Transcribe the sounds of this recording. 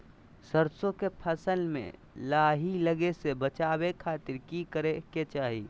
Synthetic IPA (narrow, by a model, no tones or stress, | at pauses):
səɾsõkepʰəsəlmḛ̃ | laːɦiləɡesebət͡ʃaːwekʰaːt̪ɪɾkikəɾeket͡ʃaːɦi